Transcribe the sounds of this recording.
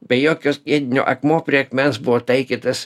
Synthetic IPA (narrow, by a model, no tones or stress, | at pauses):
bʲɛjoːkʲoːsʲiɛd̪ʲɪnʲo̰ːʔɐkmoːpʲɾʲiɛkmʲɛnsbʊʋoːt̪ɐɪkʲit̪ɐs